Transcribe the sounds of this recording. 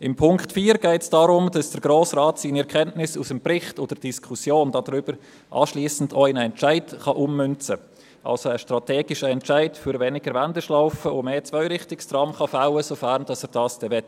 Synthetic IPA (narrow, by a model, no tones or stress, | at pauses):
ɪmpʰʊŋktfiːɾɡɛɪtsd̥ɑːɾʊmdɑsd̥əɾɡ̥ɾoːsrɑːtsiːniɛɾkʰɛntnɪsusəmprɪχtod̥əɾd̥iskʰusjoːndɑdɾʏb̥əɾ | ʔɑ̰ːʃliːsn̩doaɪnəɛnt͡ʃaɪdχɑʔumːʏnt͡sə | ʔɑ̰lsoəʃtrɑtɛːɡɪʃəɛnt͡ʃaɪdfʏɾvɛnɪɡəɾvandəʃlaʊfəomeːt͡svœʏɾɪχtɪkstrɑmχɑfaʊəsofæɾnd̥ɑsɛːɾd̥ɑːsd̥ɛvɛt